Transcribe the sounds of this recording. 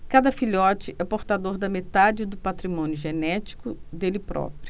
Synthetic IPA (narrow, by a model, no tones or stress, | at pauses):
kad̪ɐfiʎɔt͡ʃɪʔɛpoɾt̪ad̪oɾd̪ɐmet̪ad͡ʒɪd̪ʊpat̪ɾimõnjʊʒenɛt͡ʃi̥kʊd̪elɪpɾɔ̰pɾjʊ